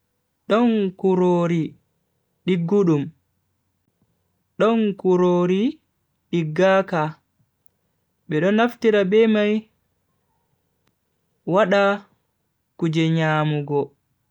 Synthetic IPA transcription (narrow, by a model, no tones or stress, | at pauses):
ɗɔŋkuɾoːɾi | ɗiɡːuɗum | ɗɔnkuɾoːɾi | ɗiɡːaka | ɓɛɗɔnaftiɾabɛmaj | waɗa | kud͡ʒɛɲaːmuɡɔ